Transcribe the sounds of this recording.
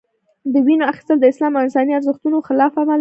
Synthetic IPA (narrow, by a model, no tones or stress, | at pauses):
d̪əwinoaxi̥st̪əld̪əɪslɑmaɪnsɑniaɾzəxt̪unoxɪlɑfamal